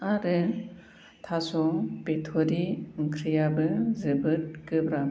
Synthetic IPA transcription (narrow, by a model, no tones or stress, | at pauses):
aɾɯ | tʰasɔŋpetʰɔɾiŋkʰɾijabɯzɯbɯt̚kɯbɾa